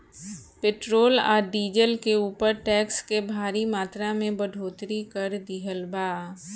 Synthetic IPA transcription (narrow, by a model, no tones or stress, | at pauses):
peːʈɾoːla̰ːɾɖiːd͡ʒəlkeuːpəɾʈɛːkskebʱaːɾimaːt̪ɾamẽbɐɖʱoːt̪ɾikəɾd̪ɪɦəlbaː